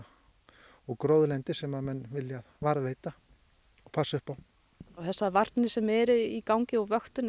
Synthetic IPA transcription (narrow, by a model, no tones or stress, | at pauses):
ɔɣkɾowðlɛnt̪ɪsɛmaðmɛnːvɪljaðvaɾveːjt̪a | ɔɣpʰasːʏhpaw | awθɛsːavaɾt̪nɪsɛmɛɾɪikawŋcɪɔɣvœxt̪ʏn